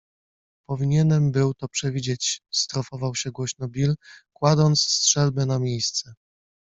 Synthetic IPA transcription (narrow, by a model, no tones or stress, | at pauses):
pɔvʲiɲɛnɛmbɘwt̪ɔpʂɛvʲid͡ʑet͡ɕst̪ɾɔfɔvawɕɛɡwɔɕnɔbʲilkwad̪ɔnt̪sstʂɛlbɛnamʲjejst̪sɛ